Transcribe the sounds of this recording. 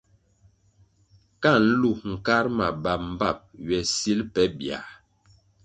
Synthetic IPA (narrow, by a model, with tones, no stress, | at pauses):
ka˦˨n̩˦lu˦˨ŋ̩˨ka˦ɾma˨ba˨m̩˦˨ba˦˨p̚ɥɛ˨si˦lpɛ˦bja̰˨